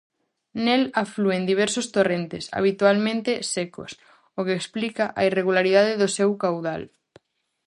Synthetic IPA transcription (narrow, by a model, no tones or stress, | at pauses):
nelafluend̪iβ̞ɛɾsost̪orent̪ḛsa̰β̞it̪ualmẽnt̪ɪseko̰s | okeːksplikaʔaireɣulaɾiðaðeðʊsewkawða̰l